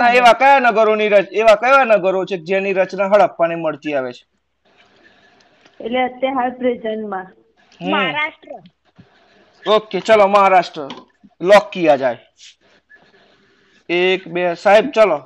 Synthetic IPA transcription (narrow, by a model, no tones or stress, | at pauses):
aeʋakəjanəɡəɾoniɾət͡ʃeʋakəjʋanəɡəɾot͡ʃʰeked͡ʒãniɾət͡ʃnaɦəɭəpːpəñeməɭt̪iaʋet͡ʃʰe̥ | eʈleət̪ːjəɦabɾid͡ʒənmã | ɦəɾaʃʈɾə | oket͡ʃaloməɦaɾaʃʈɾə | lɔkːijad͡ʒaj | ekbesaɦib̚t͡ʃalo